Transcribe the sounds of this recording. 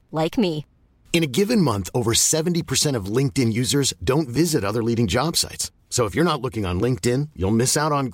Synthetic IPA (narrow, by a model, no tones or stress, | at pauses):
laɪkmi | ɨ̃ñɨɡɪvɨ̃nmʌ̃nθoʊvə˞sɛṽn̩tipʰə˞sɛ̃ɾ̃ʌvlɪ̃ŋk̚tɪ̃njʉzə˞zdõʊ̃ntvɪzɨɾʌðə˞liɾɪ̃ŋd͡ʒɑb̥sa̰ɪts | soʊəfjə˞nətˡlʊkɪ̃ŋə̰̃nlɪ̃ŋk̚tɪ̃njṵlˠmɪsaʊɾn̩